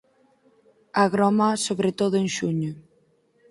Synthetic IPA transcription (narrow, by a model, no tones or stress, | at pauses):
aɣɾɔmasoβɾet̪oðʊeŋʃuɲo